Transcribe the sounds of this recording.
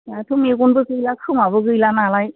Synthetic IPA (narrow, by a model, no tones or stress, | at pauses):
jatʰɯmek̬unbɯkɯjlakʰɯmabɯkɯjlanalaj